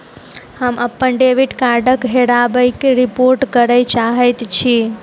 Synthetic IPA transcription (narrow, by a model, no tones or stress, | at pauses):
həməpːənɖeʋiʈkaɾɖəkɦeɽabəjkeɾipoɾʈkəɾəjt͡ʃaɦɛt̪t͡ʃʰi